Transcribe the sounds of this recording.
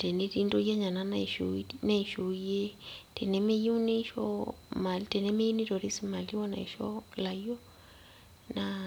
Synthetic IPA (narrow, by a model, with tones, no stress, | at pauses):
te˨ni˦ti˦ndo˦ja˦ɲa˨na˨na˨ʃna˦i˨ʃu˨e˦te˨nɛ˨me˦ji˦u˦ne˦ʃɔ̰˦ma˨litɛ˨nɛ˦me˦i˦ni˦ɾo˨ɾi˦si˦ma˨li˦wa˦na̰˨i˨ʃɔ˦la˨jɔ˦ | na